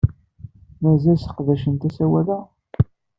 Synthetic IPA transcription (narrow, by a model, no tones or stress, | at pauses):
mæzælsə̥qðæʃənt̪æsæwælæ